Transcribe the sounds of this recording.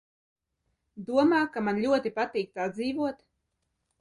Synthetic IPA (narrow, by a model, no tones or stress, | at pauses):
d̪uɔmaːkamanlʲuɔt̪ipat̪iːk̚t̪ad̪ziːvuɔt̪